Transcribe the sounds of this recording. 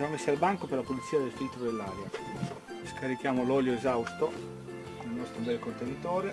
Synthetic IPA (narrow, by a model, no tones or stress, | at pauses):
amesːalbaŋkoperlapolit̪sːiːad̪elfit̪ːɾod̪elːaːɾja | skʰaɾikjaːmolɔljoezawst̪o | nlnɔst̪ɾobɛlkont̪enit̪ɔːɾe